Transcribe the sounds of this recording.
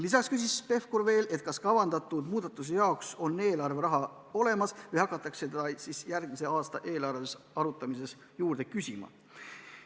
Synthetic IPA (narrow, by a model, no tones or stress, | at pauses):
lisɑkskysʲisːpe̞fkorve̞ːle̞t̪̚ˑkɑskɑvɑnd̪̥ɑt̪ːˑud̪̥muːd̪̥ɑt̪ːˑus̬ejɑokso̞nːe̞ːlɑrveɾɑɦɑ | o̞le̞mɑsvɯjhɑkːˑɑt̪ːˑɑkse̥ɑsisjærɡ̥mise̞ɑːst̪ɑʔe̞ːlɑɾvesɑɾut̪ːˑɑmis̬e̞s | juːɾd̪e̞kysʲimɑ̰